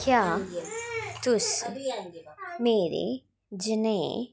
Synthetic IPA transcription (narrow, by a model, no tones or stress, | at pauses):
kjaː | t̪ʊs | meːɾḛ | d͡ʒənə